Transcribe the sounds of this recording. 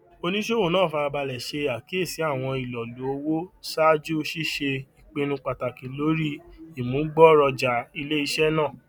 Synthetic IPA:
o˧nĩ˦ʃe˦o˦˨nãː˦˨fa˧a˧ba˧lɛ˨ʃe˧a˨ki˨˦e˦˨si˨˦a˦˨w̃ɔ̃˧i˨lɔ˨lo˨˦o˧wo˦sa˦d͡ʒu˦˧ʃi˦ʃe˧i˨k͡pe˧nũ˧k͡pa˨ta˨kĩ˨˦lo˨˦ɾi˦i˨mũ˨˦ɡ͡bɔ˦˨ɾɔ˧d͡ʒa˨i˧le˦i˧ʃɛ˦nãː˦˨

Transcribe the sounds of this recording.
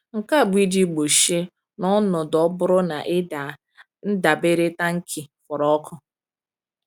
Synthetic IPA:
ŋ̩˨ka˦˨bʷi˦di˦ɡ͡bo˨ʃe˦ | nɔ˦nʊ˨dɔ˦bʊ˦ɾʊ˦na̰˨ʔɪ˦a˨ | n̩˦da˨be˦ɾe˦ta˦ŋ̩˦kʰi˨fɔ˨ɾɔ˦kʰʊ˦

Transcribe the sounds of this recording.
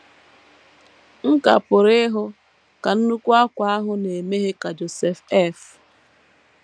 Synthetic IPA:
ŋ̩˦ka̰˨pʊ˨ɾɪ˦ɦʊ˦ | ka˨n̩˦nu˦kʷu˦a˦kʷa˨a˦ɦʊ˦ne˨me˦ɦe˦ka˨d͡ʒo˨sɛ˦fɛ˦˨f

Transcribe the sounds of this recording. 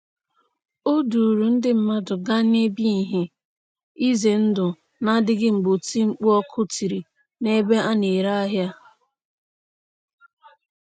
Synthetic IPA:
o˦du˨ɾu˨n̩˦dɪ˦m̩˦ma˦dʊ˨ɡa˦ne˦bi˦i˨ɦe˨ | i˦ze˨n̩˦dʊ˨ | na˦dɪ˦ɡɪ˦ŋ͡m̩˨ɡ͡bo˨ti˦ŋ͡m̩˦k͡pu˦ɔ˦kʰʊ˦ti˨ɾi˨ | ne˦be˦ʔa˦ne˨ɾa˦a˦ɦja˦

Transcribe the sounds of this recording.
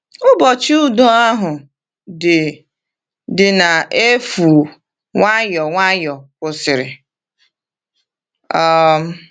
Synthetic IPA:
ʊ˦bɔ˨t͡ʃi˦ʊ˦do˦a˦ɦʊ˨ | dɪ˨ | dɪ˨na˨e˦fu˨ | ŋʷa˦jɔ˨ŋʷa˦jɔ˨kʷʊ˨sɪ˨ɾɪ˨ | ɔ˦m̩˦

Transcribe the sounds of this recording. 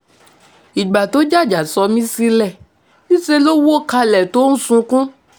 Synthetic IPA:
i˨ɡ͡ba˨to˨˦d͡ʒa˦˨d͡ʒa˨sɔ˧mĩ˦si˧lɛ˨ | nĩ˦se˧lo˦wo˦ka˧lɛ˨to˦n̩˦sũ˧kũ˦

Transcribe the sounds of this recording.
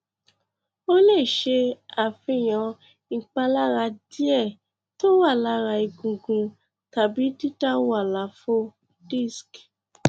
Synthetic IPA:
o˦le˦˨ʃe˧a˨fĩ˧˦˨j̃ã˨˧˨ | k͡pa˧la˦ɾa˧di˦ɛ˦˨ | to˦wa˦˨la˨˦ɾa˧i˧ɡũ˨ɡũ˧ | ta˨bi˨˦ti˦ta˦wa˦˨la˨˦fo˦ | di˦˨sk

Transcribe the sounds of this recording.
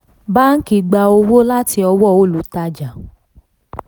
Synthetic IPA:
ba˦n̩˦ki˧˦ɡ͡ba˧o˧wo˦la˦ti˧ɔ˧wɔ˦˨o˦˨lu˨˦ta˧d͡ʒa˨

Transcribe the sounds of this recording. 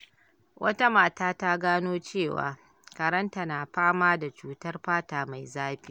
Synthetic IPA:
wʔɐ˦ta˦maː˦˨taː˦ta˦ɡaː˦noː˦t͡ʃeː˦˨wa̰ː˨ | kɐ˨ɾɐ˦nta˨naː˨ɸaː˦maː˦da˨t͡ʃuː˦tɐ˦rɸaː˦taː˨ma˨jzaː˦ɸi˦

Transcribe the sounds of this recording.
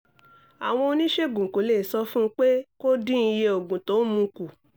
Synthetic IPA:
a̰˨w̃ɔ̃˧o˧nĩ˦ʃe˦˨ɡũ˨ko˨˦le˦˨sɔ˦fũ˦k͡pe˦ko˦dĩ˦i˧je˧o˨ɡũ˨to˨˦mũ˧ku˨

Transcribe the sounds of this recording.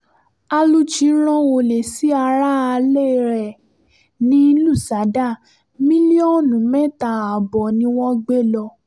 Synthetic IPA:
a˧lu˦t͡ʃi˨˦ɾ̃ɔ̃˦o˧˨le˨si˨˦a˧ɾa˦a˧le˦˨ɾɛ˨ | nĩ˦lu˦˨sa˨˦da˦˨ | mĩ˦li˦ɔ˦˨nũ˨mɛ˦˨ta˨a˨bɔ˨nĩ˧˦w̃ɔ̃˦ɡ͡be˦˨lɔ˧

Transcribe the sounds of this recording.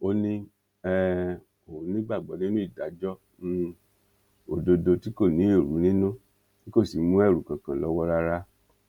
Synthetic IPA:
o˧nĩ˧ | ɛ˦ | o˨˦nĩ˦ɡ͡ba˦˨ɡ͡bɔ˨˦nĩ˦nũ˦i˦˨da˨˦d͡ʒɔ˦ | n̩˦˧ | o˨do˧do˧ti˦ko˦˨nĩ˨˦e˦˨ɾu˨˦nĩ˦nũ˦ | ni˦ko˦˨si˨˦mũ˦ɛ˦˨ɾu˨kã˨kã˨lɔ˧wɔ˧ɾa˧ɾa˦

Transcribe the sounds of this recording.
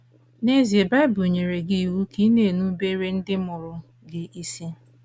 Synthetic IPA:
ne˦zi˨e˨ba˦bu˨ɲe˨ɾe˨ɡi˦˨wu˦ki˦ne˨nu˦be˦ɾe˦n̩˦dɪ˦mʊ˨ɾʊ˨ | ɡɪ˨ʔi˦si˦

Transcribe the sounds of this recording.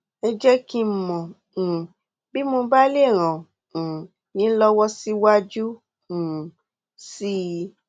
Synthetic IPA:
ɛ˧d͡ʒɛ˦kĩ˧˨mɔ̃˨ | bi˦mo˧ba˦le˦˨ɾ̃ã˨ | nĩ˨˦lɔ˦wɔ˦si˦wa˦d͡ʒũ˦˨ | si˦

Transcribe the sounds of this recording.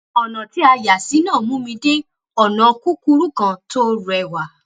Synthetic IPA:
ɔ˨nã˨ti˨˦a˧ja˨si˨˦nãː˦˨mũ˨˦mĩ˧de˦ | ɔ˨nã˨˧ku˦ku˦ɾu˦kã˧to˦ɾɛ˨wa˨

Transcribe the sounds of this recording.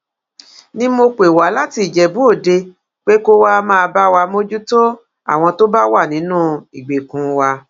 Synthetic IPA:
nĩ˦mo˧k͡pe˨wa˨˦la˦ti˧˦i˨d͡ʒɛ˨bu˦o˦˨de˧ | k͡pe˦ko˦wa˦mãː˦˧ba˦wa˧mo˦d͡ʒu˦to˦ | a̰˦˨w̃ɔ̃˧to˦ba˦wa˦˨nĩ˨˦nũː˦˨i˨ɡ͡be˨kũ˨wa˧

